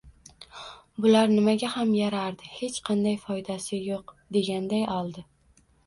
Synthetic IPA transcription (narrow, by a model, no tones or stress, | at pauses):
bʊlaɾnɪmaɡʲahamjaɾaɾd̪ɪhe̞t͡ʃqʰɑnd̪ajfɒjd̪asɪjoqd̪e̞ɡʲand̪ajɒlˠd̪ɪ